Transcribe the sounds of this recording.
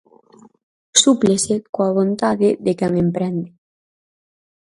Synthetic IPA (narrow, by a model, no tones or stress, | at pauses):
suplesekoaβ̞ont̪aðeðekɛŋempɾɛnd̪e